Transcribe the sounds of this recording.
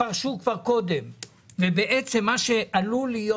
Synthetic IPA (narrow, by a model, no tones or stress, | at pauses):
aʁʃukvaʁko̞d̪em | vebeʔet͡se̞mːaʃeʔalulijo